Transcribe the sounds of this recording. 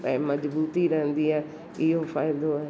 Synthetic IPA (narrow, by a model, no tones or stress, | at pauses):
ɛ̰̃ːmɐzbuːt̪iɾɐɦə̃nd̪iãː | ɪɦofaːɪd̪oaɦ